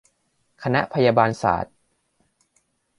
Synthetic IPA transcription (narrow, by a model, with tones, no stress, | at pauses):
kʰa˧na˦˥ʔpʰa˧jaː˧baː˧nsa̰ː˩˦t̪̚